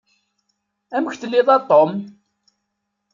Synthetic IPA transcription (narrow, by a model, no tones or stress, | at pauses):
æməçt̪əlːiðˤɑt̪ˤːom